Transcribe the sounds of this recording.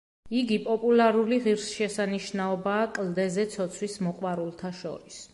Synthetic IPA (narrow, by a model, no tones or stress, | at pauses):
iɡipʼɔpʼulˠaɾuliʁiɾsʃɛsaniʃnaɔbaːkʼld̪ɛzɛt̪sʰɔt̪sʰwismɔqʼwaɾulˠt̪ʰaʃɔ̰ɾis